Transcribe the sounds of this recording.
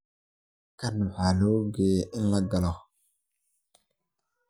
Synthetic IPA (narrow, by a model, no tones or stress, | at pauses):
kɐnʊħaːlɔːɡeʔɪnlɐɡɐlɔ